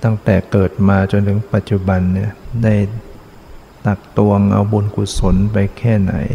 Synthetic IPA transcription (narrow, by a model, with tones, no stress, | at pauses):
t̪a˥˩ŋt̪ɛː˨˩kɤː˨˩t̪̚maː˧t͡ɕo˧nt̪ʰɯ˩˦ŋpa˨˩t̪̚t͡ɕu˨˩ba˧nːi˥˩ɐda˥˩j | t̪a˨˩k̚t̪u˧əŋʔa̰˧wbo˧nkʰu˨˩so˩˦npa˧jkʰɛː˥˩na̰˩˦j